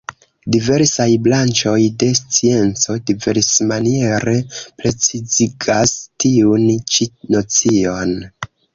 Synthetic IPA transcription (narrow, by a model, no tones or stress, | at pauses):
dive̞ɾsajblant͡ʃo̞jde̞st͡sie̞nt͡so̞dive̞ɾsmanie̞ɾe̞ple̞t͡siziɡastiunt͡ʃino̞t͡sio̞n